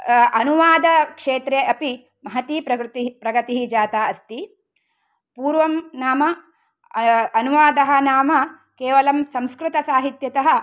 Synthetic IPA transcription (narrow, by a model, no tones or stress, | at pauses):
ɐnuʋaːd̪ɐkʂeːt̪ɾeʔɐpi | mɐɦɐt̪iːpɾɐɾt̪ipɾɐɡɐt̪iɦid͡ʒaːt̪aːɐst̪i | puːɾʋɐmnaːmɐ | ɐnuʋaːd̪ɐɦɐ̆naːmɐ | keːʋɐlɐmsɐmskɾɨt̪ɐsaːɦit̪jɐt̪ɐɦɐ̆